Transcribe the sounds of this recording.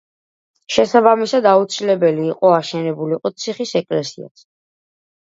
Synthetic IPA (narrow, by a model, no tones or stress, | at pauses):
ʃɛsabamisad̪aut̪sʰilɛbɛliːqʼɔaʃɛnɛbuliqʼɔt̪sʰiχisɛkʼlɛsia̰s